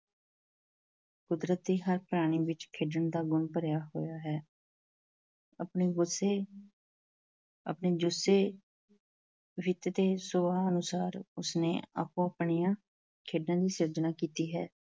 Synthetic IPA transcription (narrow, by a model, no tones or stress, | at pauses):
kʊd̪ɾət̪̚d̪iːɦəɾpəɾaːɽ̃iːʋɪt͡ʃkʰeːɖəɳd̪aːɡʊnpəɾjaːɦo̰ːjaːɦɛː | əpɳiːɡʊseː | ə̰pɳeːd͡ʒʊseː | ʋɪt̪t̪eːsoːaːənʊsaːɾʊsnḛːa̰pːõːəpɳijãː | kʰeːɖnãːd̪iːsɪɾd͡ʒnaːkiːt̪iːɦɛː